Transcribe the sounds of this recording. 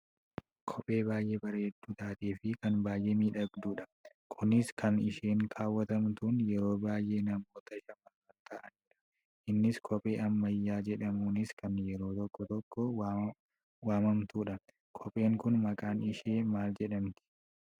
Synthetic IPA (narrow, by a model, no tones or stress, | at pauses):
kʰɔpʼe̞ːbaːjʔeːbɐɾɐɛd̪ːuːt̪aːt̪eːfɪkɐnbaːjʔeːmiːᶑɐɡd̪uːᶑɐ | kʰʊnɪskʰɐnɪʃeːŋkʰaːwːɐt̪ɐmt̪uːnjɛɾo̞ːbaːjʔe̞ːnɐmoːt̪ɐɪʃɐmɐfɐnt̪aːʔɐniːᶑɐ̥ | ʔɪnːɪskʰɔpʼe̞ːʔɐmːɐjːaːd͡ʒɛᶑɐmuːnɪskɐnjɛɾo̞ːt̪ɔkːɔt̪ɔkːɔ | waːmɐmt̪uːᶑɐ | kʰɔpʼe̞ːŋkʊnmɐkʼaːnɪʃeːmaːld͡ʒɛᶑɐmt̪ɪ̥